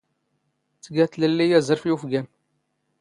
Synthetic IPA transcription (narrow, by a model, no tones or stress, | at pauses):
t͡sːəɡæθləlːijæzəɾˤfjufɡæn